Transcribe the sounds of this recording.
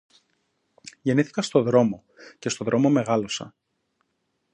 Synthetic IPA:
ʝe̞niθi̥kɐst̪o̞ðɾo̞mo̞ | ce̞st̪o̞ðɾo̞mo̞me̞ɣɐlo̞sɐ̰

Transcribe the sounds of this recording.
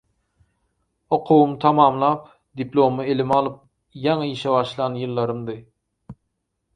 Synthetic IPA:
oqʰuwumt̪ʰɑmɑːmlˠɑːp̚ | d̪iplˠo̞mɯelʲimɑlˠɯp̚ | jɑɴɯiʃeβɑʃlˠɑnjɯlˠːɑɾɯmd̪ɯ

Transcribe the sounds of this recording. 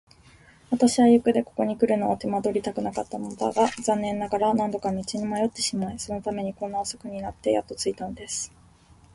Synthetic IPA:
βat̪aɕiβajɯ̟kɯ̟d̪e̞ko̞̥ko̞ɲ̟ikɯ̟ɾɯ̟no̞βat̪emad̪o̞ɾʲit̪akɯ̟nakat̪ːamonod̪a̰ɡazãnːẽ̞nːaɡaɾanãnd̪o̞kamʲit͡ɕiɲ̟imajo̞t̪ːe̞ɕimaiso̞no̞t̪ame̞ɲ̟ikõ̞nːaoso̥kɯ̟ɲ̟inat̪ːe̞ja̰t̪ːo̞t͡sɨit̪ano̞d̪e̞sɨ̥

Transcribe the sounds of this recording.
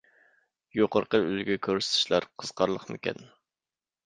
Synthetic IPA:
joqəɾqəylɡʲɛkʲʰøɾsɪ̥t̪ʰɪ̥ʃlˠɑɾqʰəz̥qʰɑɾlˠəχmɪkʲɛ̰n

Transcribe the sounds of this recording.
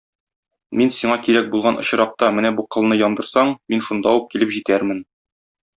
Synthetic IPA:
minsiɴɑkiɾæk̚bulˠʁɑnʔɤ̆ɕ̆ɾɑq̚t̪ɑmɘnæbuqɤ̆lˠnɤjɒnd̪ɤ̆ɾsɑɴminʃund̪ɑuq̚kilɘpʑit̪æɾmɘn

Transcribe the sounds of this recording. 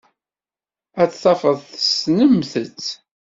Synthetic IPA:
æt͡sθɑfəðˤθəsnəmθət͡sː

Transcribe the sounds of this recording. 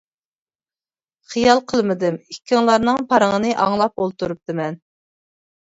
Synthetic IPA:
χijɑlˠqʰəlˠmɨd̪ɪmikʲːiŋlˠɑɾnɨŋpʰɑɾəŋənɨʔɑŋlˠɑp̚olˠt̪uɾup̚d̪ɨmɛn

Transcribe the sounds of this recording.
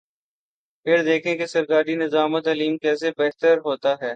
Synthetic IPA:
pʰɪɾd̪eːkʰẽkesɐɾkaːɾinɪzaːmət̪ɐliːmkɛːsebɛɦt̪əɾɦoːt̪aɦɛː

